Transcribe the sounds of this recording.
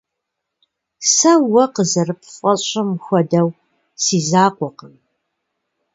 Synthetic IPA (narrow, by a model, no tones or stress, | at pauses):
sɐwɐqəzɐrɨp̚ʰfʷʼɔɕʼɪmxʷɔdɐw | siːzaːqʷɔqəm